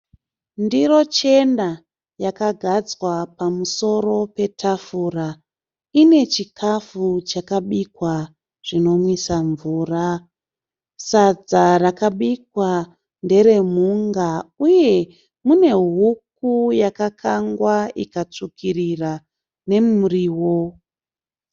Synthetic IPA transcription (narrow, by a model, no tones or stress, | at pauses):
ndiɾo̞t͡ʃe̞nda | jakaɡʱad͡zwapamuso̞ɾo̞pe̞tʰafura | ine̞t͡ʃikʰafut͡ʃakaɓikwa | ʐ̥ino̞mwisaɱvuːra | sad͡zarakaɓikwa | nde̞ɾe̞muŋɡauje̞ | mune̞ɦuk̚ujakakʰaŋɡwaikat͡ʂukʰirira | ne̞muriːwo̞